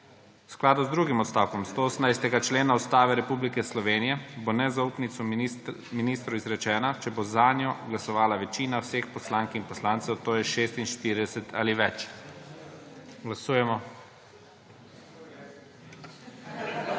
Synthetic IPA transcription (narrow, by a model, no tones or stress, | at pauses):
wsklaːd̪uzd̪ɾuːɡimɔt̪st̪aːwkɔmst̪oosənajst̪ɛɡat͡ʃleːnaust̪aːʋɛɾɛpublikɛslɔʋeːnijɛbonɛzauːpnit̪sɔminist̪ɾɔizɾɛt͡ʃɛːnat͡ʃɛbozaːnjɔɡlasɔʋaːlaʋɛt͡ʃiːnawsexpɔslaŋkinpɔslaːnt̪sɛwt̪oːjɛʃeːst̪inʃt̪iɾid̪ɛsɛt̪ʰa̰ːliʋɛt͡ʃ | ɡlasuːjɛmɔ